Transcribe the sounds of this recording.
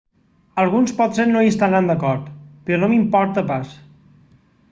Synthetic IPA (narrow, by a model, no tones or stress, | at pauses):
əlˠɣunspɔt̪senoiəst̪anand̪əkɔɾt̪pɾɔnomimpɔɾt̪əpas